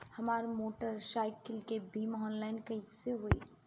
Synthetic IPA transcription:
həmaːɾmoːʈəɾsajkɪlkebimɔːnlaːɪnkəɪseɦoḭ

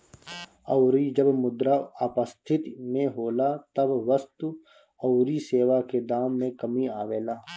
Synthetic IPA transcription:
ɐʊɾid͡ʒəbmʊd̪ɾaəpəst̪ʰɪt̪mẽɦoːlat̪ɐbʋəst̪u | ɐʊɾiseːʋaked̪aːmːẽkɐmiaːʋeːlaː

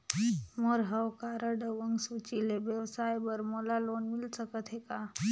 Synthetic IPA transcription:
moɾɦəwkaɾəɖəʋəŋɡsut͡ʃilebjəwsajbəɾmolaloːnmilsəkət̪ʰɦeka

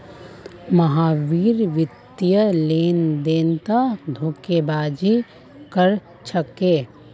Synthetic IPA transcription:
məɦaːʋiːɾʋɪt̪jəleːnd̪eːnt̪ad̪ʱoːkebaːd͡ʒi | kəɾ | t͡ʃʰəkeː

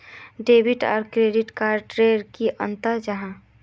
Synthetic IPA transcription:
ɖeːbiʈɔ̰ːɾkɾeɖiʈkaːɾʈɾeːəɾkiʔə̰nt̪əd͡ʒəɦã

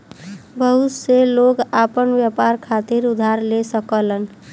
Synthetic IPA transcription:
bəɦut̪seloɡapənbjəpaɾkʰat̪iɾud̪ʱaɾlesəkələn

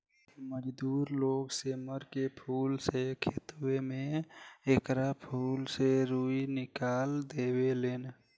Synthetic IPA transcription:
məd͡ʒd̪uːɾloːɡseməɾkepʰuːlsekʰet̪wemẽeːkɾapʰuːlseɾuːinɪkaːld̪eːweleːn

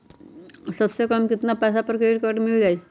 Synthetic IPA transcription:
səbsekəmkit̪napəs̬apəɾkeʈkəʈmiɭd͡ʑaj

